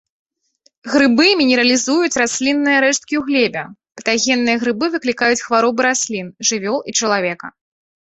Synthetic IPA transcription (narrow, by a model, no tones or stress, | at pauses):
ɣɾɨbɨmʲinʲɛɾɐlʲizujut͡sʲrasʲlʲinːɨjɐɾɛʂt̪̚kʲiuɣlʲɛbʲɐpɐt̪aɣʲɛnːɨjɐɣɾɨbɨvɨklʲikajut͡sʲxvaɾɔbɨɾasʲlʲinʐɨvʲɔlˠit͡ʂɐlˠavʲɛkɐ